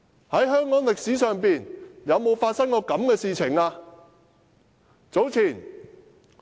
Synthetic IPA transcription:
hɐ˨˥jɦœː˥ŋkɔː˨˥ŋlɪ˨k̚siː˨˥sœː˨ŋpiː˨njɐ˨˧wmo˨˧wfaː˧t̚sɐ˥ŋkɔː˧kɐ˨˥mkɛː˧siː˨˧t͡sʰɪ˨˩ŋaː˧ | t͡so˨˥wt͡sʰiː˨˩n

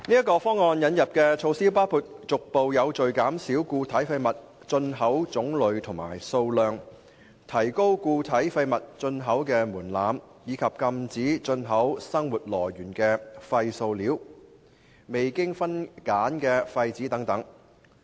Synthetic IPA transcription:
niː˥ɐ˥kɔː˧fɔː˥ŋːɔː˧njɐ˨˧˥njɐ˨p̚kɛː˧t͡ʃʰo˧wsiː˥paː˥wpʰuː˨˧t̚t͡sʊ˨k̚po˨wjɐ˨˧wt͡ʃɵ˨ɥkaː˨˥msiː˨˥wkuː˧t̪ʰɐ˨˥jfɐ˧jmɐ˨˩t̚ | t͡ʃɵ˧nɦɐ˨˥wt͡sʊ˨˥ŋlɵ˨˧ɥt̪ʰʊ˨˩ŋma̰ː˨˩jso˧wlœː˨ŋ | t̪ʰɐ˨˩jko˥wkuː˧t̪ʰɐ˨˥jfɐ˧jmɐ˨t̚t͡sɵ˧nɦɐ˨˥wkɛː˧muː˨˩nlaː˨˧m | jiː˨˧kʰɐ˨p̚kɐ˧mt͡siː˨˥t͡sɵ˧nɦɐ˨˥wsɐ˥ŋwuː˨t̚lɔ̰ː˨˩jɥyː˨˩nkɛː˧fɐ˧jso˧wliː˨˥w | me˨jkɪ˥ŋfɐ˥nkaː˨˥nkɛː˧fɐ˧jt͡siː˨˥t̪ɐ˨˥ŋt̪ɐ˨˥ŋ

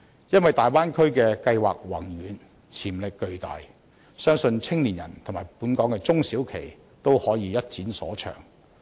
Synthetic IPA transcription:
jɐ˥nwɐ˨jt̪aː˨jwaː˥nkʰɵ˥kɛː˧kɐ˧jwa̰ː˨k̚wɐ˨˩ŋjyː˨˧n | t͡sʰiː˨˩mlɪ˨kːɵ˧ɥt̪a̰ː˨j | sœː˥ŋsɵ˧nt͡sʰɪ˥ŋliː˨˩njɐ̰˨˩nt̪ʰʊ˨˩ŋmaː˨˩jpuː˨˥nkɔː˨˥ŋkɛː˧t͡sʊ˥ŋsiː˨˥wkʰe˨˩j | t̪o˥whɔː˨˥jiː˨˧jɐ˥t̚t͡siː˨˥nsɔ̰ː˨˥t͡ʃʰœ̰ː˨˩ŋ

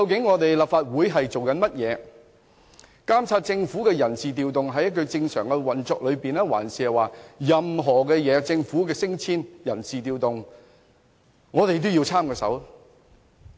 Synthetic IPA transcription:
kɐ˧wkɪ˨˥ŋːɔː˨˧t̪e˨jlaː˨p̚faː˧t̚wuː˨˥jɦɐ˨jt͡so˨wkɐ˨˥nmɐ˥t̚jɛː˨˧ | kaː˥mt͡sʰaː˧t̚t͡sɪ˧ŋfuː˨˥kɛː˧jɐ˨˩nsiː˨t̪iː˨wt̪ʊ˨ŋɦɐ˨˥jɐ˥t̚kɵ˧ɥt͡sɪ˧ŋsœː˨˩ŋkɛ˧wɐ˨˩nt͡sɔː˧k̚lɵ˨˧ɥpiː˨nɛː˥wa̰ː˨˩nsiː˨ɐ˨waː˨˩jɐ˨mɦɔː˨˩kɛː˧jɛː˨˧t͡sɪ˧ŋfuː˨˥kɛː˧sɪ˥ŋt͡sʰiː˥njɐ˨˩nsiː˨t̪iː˨wt̪ʊ˨ŋ | ŋɔː˨˧t̪e˨jt̪̬o˥ji˧wt͡sʰaː˥mkɔː˧sɐ̰˨˥w

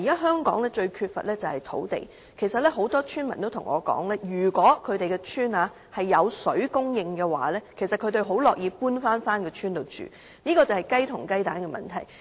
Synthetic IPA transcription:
iː˨˩kaː˦˥ɦœː˥ŋkɔ̰ː˨˥ŋlɛː˥t͡ʃɵ˧ɥkʰyː˧t̚fɐ̰˨t̚lɛː˥t͡sɐ˨whɐ˨jt̪ʰo̰˨˥wt̪ḛ˨˩j | kʰe˨˩jsɐ˨t̚lɛ˥ɦo˨˥wt̪ɔː˥t͡ʃʰyː˥nmɐ˨nt̪o˥wt̪ʰʊ˨˩ŋʔɔ̰ː˨˧kɔ̰ː˨˥ŋlɛː˥jyː˨˩kʷɔː˨˥kʰɵ˨˧t̪e˨jkɛ˧t͡ʃʰyː˥naː˨˧ | hɐ˨jːɐ˨˧wsɵ˨˥ɥkʊ˥ŋjɪ˧ŋkɛː˧wa̰ː˨lɛː˥kʰe˨˩jsɐ˨t̚kʰɵ˨˧ɥt̪e˧ɥɦo˨˥wlɔː˨k̚jiː˨˧puː˥nfaː˥nfaː˥nkɛː˧t͡ʃʰyː˥nt̪o˨˧wt͡ʃy̰ː˨ | niː˥kɔː˧t͡sɐ˨whɐ˨jkɐ˥jt̪ʰʊ˨˩ŋkɐ˥jt̪aː˨˥nkɛ˧mɐ̰˨˩nt̪ʰɐ˨˩j

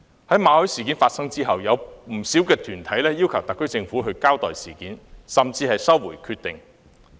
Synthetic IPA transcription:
hɐ˨˥jmaː˨˧hɔ˨˥jsiː˨˩ki˨˥nfaː˧t̚sɐ˥ŋt͡siː˥ɦɐ˨wjɐ˨˧wm̩˨˩si˨˥wkɛː˧t̪ʰyː˨˩nt̪ʰɐ˨˥jlɛː˥jiː˥wkʰɐ˨˩wt̪ɐ˨kːɵ˥ɥt͡sɪ˧ŋfuː˨˥ɦɵ˧ɥkaː˥wt̪ɔː˨jsiː˨˩kiː˨˥nsɐ˨mt͡siː˧hɐ˨jsɐ˥wːuː˨˩jkʰyː˧t̚t̪ɪ˨ŋ

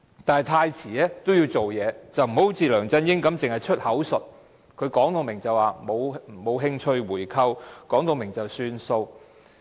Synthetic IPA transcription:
t̪aː˨jt̪ʰaː˧jt͡sʰiː˨˩ɛː˥t̪wji˧wt͡so˨wjɛː˨˧t͡sɐ˨wm̩˨˩ho˨˥wt͡siː˨lœː˨˩ŋt͡sɐ˧njɪ˥ŋkɐ˨˥mt͡sɪ˨ŋhɐ˨jt͡ʃʰɵ˥t̚hɐ˨˥wsɵ˨t̚ | kʰɵ˨˧ɥkɔː˨˥ŋt̪o˨wmɪ˨˩ŋt͡sɐ˨waː˨˩mo˨˧wm̩˨˩mo˨˧wɦɪ˧˥ŋt͡ʃʰɵ˧ɥwuː˨˩jkʰɐ˧wkɔː˨˥ŋt̪o˨wmɪ˨˩ŋt͡sɐ˨˩wsyː˧nso˧w

